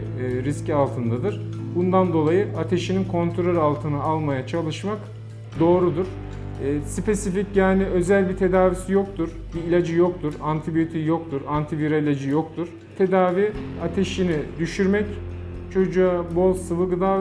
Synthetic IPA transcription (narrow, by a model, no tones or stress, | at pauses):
ɾiscialˠt̪ʰɯnd̪ad̪ɯɾ̥bund̪and̪o̞lˠajɯat̪ʰe̞ʃininkʰo̞nt̪ʰɾøɾalˠt̪ʰɯnɯalˠmajat͡ʃʰalˠɯʃmak | d̪o̞ːɾud̪uɾ̥ | ɛːsipesificjaːniø̞zælʲbit̪ʰe̞d̪aːvisijo̞k̚t̪ʰuɾ | biːlʲad͡ʒɯjo̞k̚t̪ʰuɾant̪ʰibijo̞t̪ʰijok̚t̪ʰuɾant̪ʰiviɾailʲad͡ʒɯjo̞kt̪ʰuɾ̥ | t̪ʰe̞d̪aːviat̪ʰe̞ʃinid̪yʃyɾmɛct͡ʃʰo̞d͡ʒuabo̞lˠsɯvɯɡɯd̪a